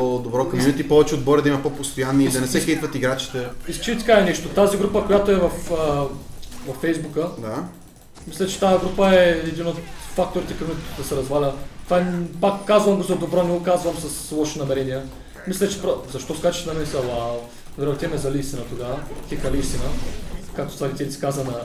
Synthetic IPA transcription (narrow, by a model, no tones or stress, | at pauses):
od̪obɾɔkɐminɛt̪ipɔvɛt͡ʃɛod̪bɔɾʲəd̪ɐimɐpopost̪ojanːiid̪ɐnɛsɛxɛit̪vɐt̪iɡɾat͡ʃi̥t̪ɛist͡ʃiit̪ɐ̥kaɛnɛʃt̪ot̪aziɡɾupəkojat̪oɛvɐfə | vɐfːɛjzbukəd̪a | mislʲɛt͡ʃɛ̥t̪ajɐɡɾupəɛɛd̪inot̪fak̚t̪oɾit̪ɛkɐmud̪ɐsɛɾɐzvalʲət̪vapakːazvɐmɡozɐd̪obɾɔnɛɡokazvɐmsɐslˠɔʃinɐmɛɾɛnijə | mislʲɛt͡ʃɛ̥pɾozɐʃt̪ɔskat͡ʃɛ̥sɛnɐmɛisɛlˠaw̪ˠ | vɾɛt̪iɛmɛzɐlʲiːst̪ʲinət̪oɡavət̪ʲɛkɐliːst̪inəkak̚t̪o̥t̪vaɾʲit̪ɛlʲisi̥kazənɐ